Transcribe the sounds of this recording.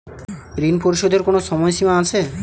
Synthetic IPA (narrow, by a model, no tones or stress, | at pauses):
ɾinpoɾiʃod̪ʱeɾkonoʃɔmɔjʃimaat͡ɕʰe